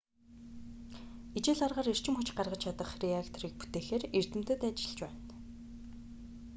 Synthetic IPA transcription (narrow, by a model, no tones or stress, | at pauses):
it͡ɕeːɮɔrʁaːɾer̥t͡ɕɪ̆mχʊt͡ɕɢarʁə̆t͡ɕʰat̪ə̆χriakt̪ʰɔɾiːk̚put̪eːxeːrer̥t̪ɘ̆m̥t̪ə̆t̪at͡ɕɪ̥̆ɮt͡ɕpæːn